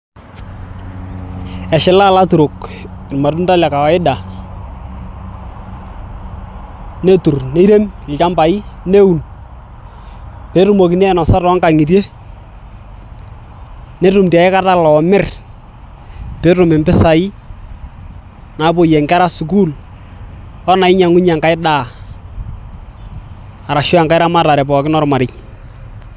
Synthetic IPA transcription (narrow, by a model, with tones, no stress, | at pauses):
ɛ˨ʃɪ˨la˦˨la˦tu˨ɾʊ˨kɪ˨nma˨tʊ˦nta˦la˨ka˨wa˨˦ɪ˦da˨ | ne˦tu˨rne˦ɾe˦mɪ˨lt͡ʃa˦mba˨ɪ˦ne˦u˨n | pe˨˦rʊ˨mo˨kɪ˨n˦ɛ˦˨nɔ˨sa˦rɔ˨˦ŋka˨ŋɪ˨t̬e˦ | ne˦tʊ˨mti˨a˨ɪ˦ka˦ta˦lɔ˨mɪ˦r | pe˦ɾʊ˨mɪ˨mpɪ˦sa˨ɪ˦ | na˨˦po˨jɛ˨ŋɡa˦ɾa˦su˨ku˦l | ɔ˦na˨ɪ˦ɲa˨ŋʊ˦ɲa˨ŋka˦jɪ˦daː˦˨ | a˨ɾa˨ʃɔ˦a˨ŋka˦ɪ˦ɾa˦ma˦ta˨ɾɛ˨pɔ˨kɪ˦nɔ˦ɾma˨ɾɪ˦j